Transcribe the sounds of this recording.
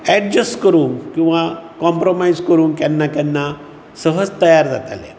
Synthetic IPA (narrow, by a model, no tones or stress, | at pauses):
ɛɖ̚d͡ʑəsʈkəɾuːnkĩw̃ʋakɔmpɾomajd͡zkəɾuːnkjanːak̪janːa | səɦəd͡zt̪əjaɾd͡za̰t̪a̰lḛ